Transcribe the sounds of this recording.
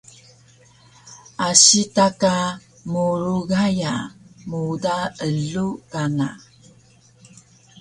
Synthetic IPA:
aɕitaka | muɾuɡajamudaəɮukana

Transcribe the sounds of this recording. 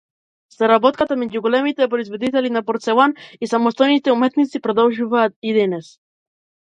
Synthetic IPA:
saɾabɔt̪̚kat̪amɛɟuɡɔlɛmit̪ɛpɾɔizvɔd̪it̪ɛlinapɔɾt̪sɛlˠanisamɔst̪ɔjnit̪ɛumɛt̪nit̪sipɾɔd̪ɔlˠʒuvaːt̪̚id̪ɛnɛs

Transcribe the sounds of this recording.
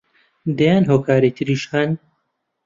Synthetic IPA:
d̪ɐjaːnɦoːkʰaːɾet̪ʰɨɾiːʃxaːn

